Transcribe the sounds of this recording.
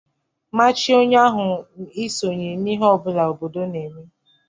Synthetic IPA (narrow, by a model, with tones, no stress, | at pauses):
ma˦t͡ʃi˦o˦ɲa˦ɦʊ˨i˦so˨ɲe˨ni˦ɦɔ˦˨bʊ˨la˨o˨bo˨do˦ne˨me˦